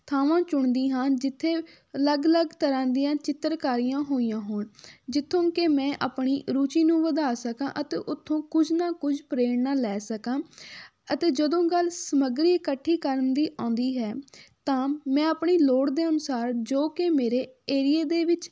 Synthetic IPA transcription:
t̪ʰaːʋãːt͡ʃʊɳd̪iːɦaːnd͡ʒɪt̪ʰːeː | ələɡələɡt̪əɾãːd̪ijãːt͡ʃɪt̪ːəɾkaːɾijãːɦoːijãːɦoːɳd͡ʒɪt̪ʰːõːkemɛ̃ːʔaːpɳiːɾuːt͡ʃiːnũːʋəd̪aːsəkãːʔət̪eːʔʊt̪ʰːõːkʊd͡ʒʱnaːkʊd͡ʒpɾeːɽnaːlɛːsəkãː | ət̪eːd͡ʒəd̪õːɡəlsəməɡɾiːəkəʈʰːiːkəɾənd̪iːʔãːnd̪iːɦɛːt̪ãːmɛ̃ːaːpɳiːloːɽd̪eːənʊsaːɾd͡ʒoːkemeːɾeːeːɾɪjeːd̪eːʋɪt͡ʃ

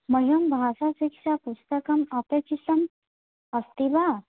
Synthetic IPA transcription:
məɦumbʱasasikʂapust̪əkɐmapekisɐm | ɐst̪iba

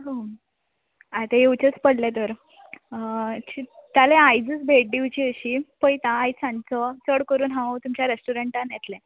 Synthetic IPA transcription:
ɦo | at̪ejewt͡ɕət͡spəɽlet̪əɾ | t͡ɕit̪jaleajd͡zət͡sbʱeʈ̚ɖiʋt͡ɕiːəɕiːpəjt̪ãːjt͡sãnt͡sɔt͡səɽkəɾuːnɦãt̪umt͡ɕjaɾesʈuɾeɳʈanjet̪lẽ

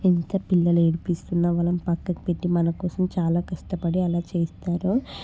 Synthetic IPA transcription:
int̪ɐpilːɐleɽipist̪unːɐʋɐlɐmpɐkːɐki̥pe̞ʈːimɐnɐkɔːsɐmt͡ʃaːlaːkɐʂʈɐpɐɽiɛlaːt͡ʃeːst̪aːɾu

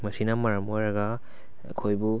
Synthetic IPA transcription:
mɐsinamɐɾamojɾaɡa | ɐ̰kʰojbu

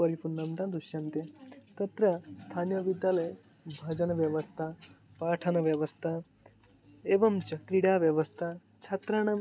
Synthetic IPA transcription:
əɾifunːɐmt̪ãnd̪uɕjɐnt̪et̪ɐt̪ɾɐst̪ʰanjəbid̪jaləj | bʱɐd͡ʑɐnʋjɐʋəst̪ʰa | paːʈʰɐnʋjɐʋəst̪ʰa | eʋɐmt͡ɕɐkɾiɽaʋjɐʋəst̪ʰa | t͡ʃʰɐt̪ɾaɽ̃ɐ

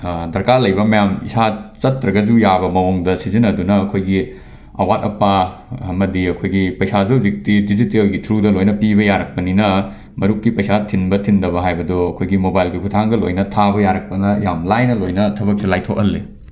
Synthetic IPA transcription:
dɐɾkalɐjbɐmɐjamḭsat͡ʃɐtɾɐɡɐd͡ʒujabɐmɐwoŋdɐsizinɐdunɐːkʰojɡi | ɐ̰wat̚ɐpːaɐmɐdiɐkʰojɡipɐjsazɐwzik̚tidizitelɡitʰɾudɐlojnɐpibɐjaɾɐk̚pɐninɐ | mɐɾuk̚ːipɐjsatʰinbɐtʰindɐbɐɦajbɐdoɐkʰojɡimobajlɡikʰutʰaŋɡɐlo̰jnɐtʰabɐjaɾɐk̚pɐnɐjamlajnɐlojnɐtʰɐbɐp̚silajtʰokɐlːe

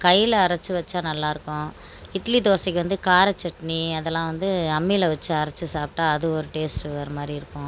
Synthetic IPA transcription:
kɐjɪlɐɐɾɐt͡ʃːɯʋɐt͡ʃːaːnɐlːãːɪɾɯkːʊ̃ | ɪʈlid̪oːsɪkʲːɯʋɐnd̪ɯkaːɾɐt͡ʃːɛʈɐniɐðɛlːãːʋɐnd̪ɯɐmːilɐʋɐt͡ʃːɯɐɾɐt͡ʃːɯsaːp̚ʈːaːɐðɯɔɾɯʈeːsʈɐɾɐmaːd̪ɾiɪɾɯkːʊ̃

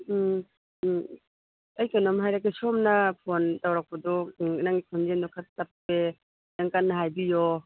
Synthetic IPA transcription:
ɐjkanɔmɦajɾakesomnapʰontawɾak̚pɐdɔnaŋɡipʰɔnzendɔkʰaapːe | naŋkanːaɦajbijɔ

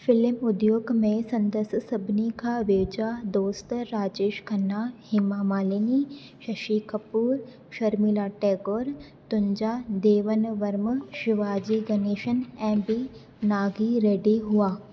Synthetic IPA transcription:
fɪlmʊd̪joːɡmẽsɐ̃nd̪əsəsɐbʱnikaʋeʋd͡ʒaːd̪oːst̪ɾaːd͡ʒeːʃkʰɐnːahɪmamaːleni | ʃɐʃiːkɐpuːɾ | ʃɐɾmilaːʈeːɡoːɾ | t̪ʊ̃ɲd͡ʒaːd̪eːʋənʋəɾmʃɪʋaːd͡ʒiɡɐneːʃənɛ̃ːmbi | naːɡiɾeːɖiɦʊaː

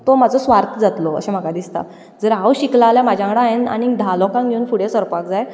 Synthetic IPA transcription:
t̪omad͡zɔsʋaɾt̪ʰəd͡zat̪loə̰ɕem̤əkad̪ist̪a̰ | d͡zəɾɦawɕiklalamad͡ʑʱjãkɽaaena̰nid̪ʱalɔkãŋɡʱeunfuɽesəɾpakd͡zaj

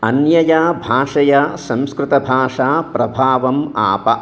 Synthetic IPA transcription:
ɐnjɐjaːbʱaːʂɐjasɐ̃mskɾɪt̪ɐbʱaːʂaːpɾɐbʱaːʋɐma̰ːpɐ

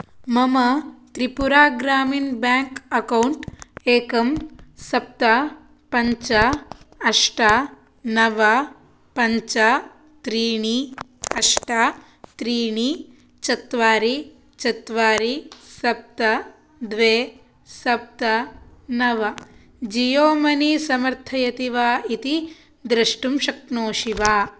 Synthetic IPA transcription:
mɐmɐt̪ɾipuɾaːɡɾaːminbaːŋkɐkɐwɳʈeːkɐmsɐp̚t̪ɐ | pɐɲt͡ʃɐɐʂʈa | nɐʋɐ | pɐɲt͡ʃɐ | t̪ɾiːɳi | ɐʂʈa | t̪ɾiːɳi | t͡ʃɐt̪ʋaːɾi | t͡ʃɐt̪ʋaːɾisɐp̚t̪ɐ | d̪ʋeː | sɐp̚t̪ɐnɐʋɐ | d͡ʒijoːmɐnisɐmɐɾt̪ʰɐjɐt̪iʋaːʔit̪i | d̪ɾɐʂʈumʃɐknoːʃiʋaː

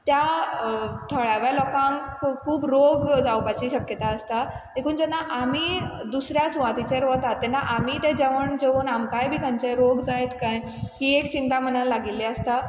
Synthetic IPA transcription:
t̪ja | t̪ʰəɭaʋalɔkãŋkʰuːbɾoɡd͡zawpat͡ɕiːɕəkjət̪aəst̪aekuːnd͡zɛnːaʔam̤iːd̪usɾjasuʋat̪it͡ɕeɾʋət̪at̪ːɛnːaʔam̤it̪ɛ̃d͡ʑeʋəɳd͡ʑeʋuːnamkajbʱiːkənt͡ɕeɾoɡd͡zajt̪kãj | kiekt͡ɕint̪am̤ənalaɡilːɛəst̪a

